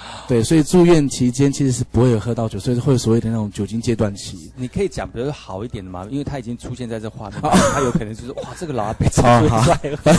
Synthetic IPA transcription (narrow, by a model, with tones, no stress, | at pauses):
t̪we˥˩ɪswɔ˧˥i˨˩ʈ͡ʂu˥˧ɥɛ˥˩nt͡ɕʰi˧˥t͡ɕjɛ˥nt͡ɕʰi˧˥ʂɻ̩˧˥ʂ̬ɻ̩˥˩pu˧˥xwe˥˩jo˨˩ʊxɤ˥˧t̪ɑ˥˩ʊt͡ɕjsɔ˧˥˨xwe˥˩jo˨˩sɔ˧we˥˩d̪ə˩n˥˩ʈ͡ʂʊ˨˦ŋt͡ɕjo˨˩ʊt͡ɕi˥ŋt͡ɕjɛ˥t̪wa˥˩nt͡ɕʰḭ˧˥ni˨˩kʰɤ˧˥i˧˦t͡ɕjɑ˨˩ŋpu˧˩jxɑ˨˩ʊi˥˩t̪jɛ˨˩nd̪ə˦ma̰˧i˥nwe˥˩t̪ʰa˥i˨˩t͡ɕi˦˥ŋʈ͡ʂʰu˥ɕjɛ˥˧nt͡sa˥˧ɪt͡sə˥˩ə˧xwa̰˥˩˨a˥jo˥ʊ˨˩ə˧˦t͡ɕo˥˧ʊʂwa˥˩ʈ͡ʂɤ˥˩ɡə˨lɑ˨˧˥a˥pe˨˩ɪt͡sɔ˥˧˥